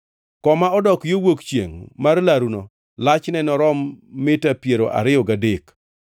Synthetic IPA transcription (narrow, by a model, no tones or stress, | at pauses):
kɔmaɔdɔkjowokt͡ʃjḛŋmarlaɾunɔ | lat͡ʃnɛnɔɾɔmːɪtapjeɾoʔa̰ɾɪɔɡadek